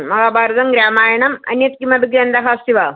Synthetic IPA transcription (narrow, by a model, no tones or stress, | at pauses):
mɐɦaːbaːɾɐt̪ɐŋɡɾaːmaːjɐɳɐmɐ̰njɐt̪kimɐbʱiɡjaːnd̪ɐɦaːst̪iʋaː